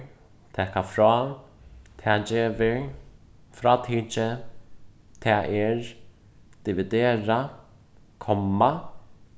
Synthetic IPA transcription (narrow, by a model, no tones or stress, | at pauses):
t̪ʰɛːkafɾɔː | t̪ʰɛːd͡ʒeːvɪ | fɾaːt̪ʰiːt͡ʃɪ | t̪ʰɛːʔɛɹ | d̪̥ɪvɪd̪eːɾa | kʰɔmːa